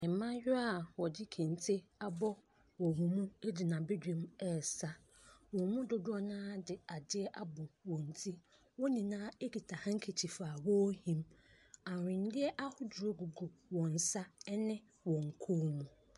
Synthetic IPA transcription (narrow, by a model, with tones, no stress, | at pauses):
ɛ̃˨m˨˦mã˦jᶣʊ˦a˨wɔ˨d͡ʑɪ˦kʰĩ˨n˨tʰe˦a˨bɔ˦ | wɔ˨mɔ̃˨mũ˦e˦di˨nã˨be˦dᶣẽ˦mɛ˦˨sa˦ | wɔ̃˨mũ˦dʊ˦dʊ˦a˦nãː˦dɪ˨a˨dɪ˦ɛ˦ʔa˨bɔ˨wɔ̃˨n̩˨tʰi˦ | wɔ˦nĩ˨nãː˦e˦ɡi˨tʰa˨hã˦ŋ̩˦kʰe˨t͡ɕʰi˨faː˨wɔ˦hĩ˦m | ã˨ɾɪ̃˨n˦dɪ˦ɛ˦ʔa˦hʊ˦dʊ˨ɾo˦ɡu˨ɡo˨wɔ̃˨n̩˨sa˦ɛ˦nɪ̃˦ | wɔ̃˨ŋ̩˨kʰu˦mũ˨